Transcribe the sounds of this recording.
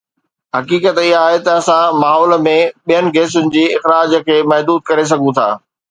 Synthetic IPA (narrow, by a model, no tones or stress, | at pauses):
ɦɐkiːkət̪ɪɦaːɦet̪ɐːsãmaːɦɔːl̆mẽɓijənɪ̆ɡeːs̬ʊnɪ̆d͡ʑiːɪxɾaːd͡ʑəkʰeːmɐɦd̪uːd̪̚kɐɾes̬ɐɡʱũt̪ʰa̰ː